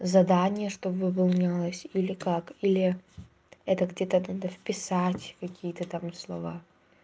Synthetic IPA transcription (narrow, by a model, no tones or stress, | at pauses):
zɐd̪anʲɪjəʂt̪ovɨpɐlˠnʲalˠəsʲilʲɪkakilʲɪ | ɛt̪əɡdʲet̪ənad̪əfpʲɪsatʲkɐkʲijət̪ət̪amslˠɐva